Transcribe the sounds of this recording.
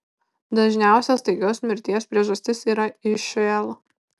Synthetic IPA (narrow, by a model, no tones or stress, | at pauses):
d̪ɐʒʲnʲæˑʊsʲɛst̪ɐɪkʲoːsmʲɪɾʲt̪ʲiɛspʲɾʲiɛʒɐsʲt̪ʲɪsiːɾɐɪʃʲʋʲeːlˠo